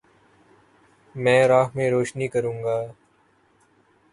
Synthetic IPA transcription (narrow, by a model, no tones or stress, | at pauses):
mɛ̃ːɾaːɦmẽːɾoːʃniːkəɾũːŋɡaː